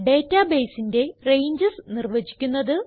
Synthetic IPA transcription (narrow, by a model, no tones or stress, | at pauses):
ɖe̞ːtːabe̞ːsinde̞rejɲd͡ʑɐsnirʋɐd͡ʑi̥kʲːunːɐðɨ